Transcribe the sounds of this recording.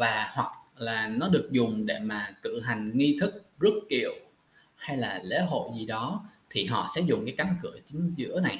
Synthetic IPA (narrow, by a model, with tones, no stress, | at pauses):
vaː˨˩hwa˨˩k̚laː˨˩nɔ˨˦ɗɨ˨˩ək̚zʊ˨˩ŋ͡mɗe˧˩maː˨˩kɨ̰˧˨ɦa˨˩jŋ̟ŋi˧t̪ʰɨ˦˥k̚zə˦˥t̚ːi˨˩əw | ha˧jlaː˨˩lḛ˧˥ɦo̰˧˨jzi˨˩ɗɔ˨˦t̪ʰi˨˩ɦɔ̰˧˨sɛ̰˧˥zʊ˨˩ŋ͡mkaː˨˦jka˨˦nkɨ̰˧˩ət͡ɕï˨˦ŋ̟zɨ̰˧˥əna˨˩j